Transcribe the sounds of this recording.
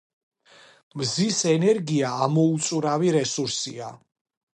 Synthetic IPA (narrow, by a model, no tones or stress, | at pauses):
mzisɛnɛɾɡiaːmɔut̪sʼuɾaviɾɛsuɾsḭa